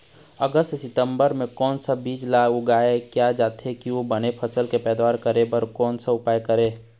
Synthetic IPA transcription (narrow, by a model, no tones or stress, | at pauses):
əɡəst̪sɪt̪ə̃mbəɾmẽkɔːnsabiːd͡ʒlaːɡʊɡaːekjad͡ʒaːt̪ɦekiʋobənepʰəsəlkepɛːd̪waːɾkəɾebəɾkɔːnsaʊpaːjkəɾeː